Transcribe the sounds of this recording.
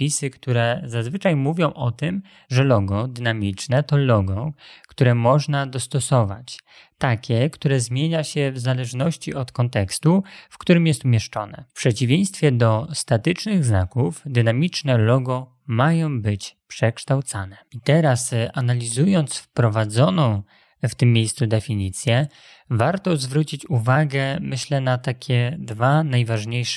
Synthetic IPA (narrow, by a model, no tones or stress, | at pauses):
pʲisɘkt̪uɾɛzazvɘt͡ʂajmuvʲjɔ̃w̃ʔɔt̪ɘm | ʐɛlɔɡɔd̪ɘnamʲit͡ʂnɛt̪ɔlɔɡɔkt̪uɾɛmɔʐnad̪ɔst̪ɔsɔva̰t͡ɕ | t̪akʲɛkt̪uɾɛzmʲjeɲaɕɛvzalɛʐnɔɕt͡ɕiɔt̪kɔnt̪ɛkst̪ufkt̪uɾɘmjɛst̪umʲjɛʂt͡ʂɔ̰nɛ̰pʂɛt͡ɕivʲjej̃st̪fʲjɛd̪ɔst̪at̪ɘt͡ʂnɘɣzna̰kufd̪ɘnamʲit͡ʂnɛlɔɡɔ | majɔ̃w̃bɘt͡ɕpʂɛkʂt̪awt̪sanɛit̪ɛɾasanalʲizujɔnt̪sfpɾɔvad̪zɔnɔ̃w̃ | ft̪ɘmːʲjejst̪sud̪ɛfʲiɲit̪sʲjɛ | vaɾt̪ɔzvɾut͡ɕit͡ɕuvaɡɛmɘɕlɛnat̪akʲʰɛd̪vanajvaʐɲejʂ